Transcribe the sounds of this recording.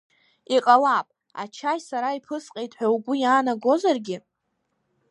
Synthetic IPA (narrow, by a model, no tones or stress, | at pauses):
iqʼalapʼ | a̰t͡ʃʰajsaɾaipʰɨsqʼejtʼħʷᶣawɡʷʊjaːnaɡo̞zarɡʲɪ